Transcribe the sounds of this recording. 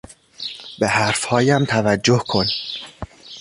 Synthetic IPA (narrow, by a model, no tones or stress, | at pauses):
behæɾfhɒːjæmt̪ʰævæd͡ʒːohkʰo̞n